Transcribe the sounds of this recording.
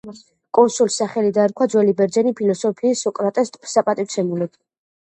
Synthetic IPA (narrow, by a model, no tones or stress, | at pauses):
kʼɔnsulisaχɛlid̪aɛɾkʰwad̪zwɛlibɛɾd̪d͡ʒɛnipʰilɔsɔpʰiːsɔkʼɾat̪ʼɛst̪ʼbsapʼat̪ʼit̪sʰɛmulɛb